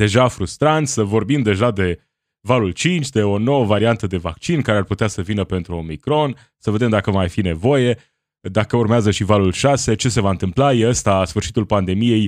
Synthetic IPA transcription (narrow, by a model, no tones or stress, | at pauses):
d̪e̞ʒafɾust̪ɾant̪səvo̞rbimd̪e̞ʒad̪e̞ | valult͡ʃint͡ʃʲd̪e̞o̞no̞wəvaɾiant̪əd̪e̞vakt͡ʃinkaɾearput̪easəvinəpe̞nt̪ɾuo̞mikɾo̞n | səve̞d̪e̞md̪akəmajfine̞vo̞je̞ | d̪akəurmeazəʃivalulʃase̞t͡ʃe̞se̞vaɨnt̪ɨmplajeəst̪asfɨrʃit̪ulpand̪e̞mije̞j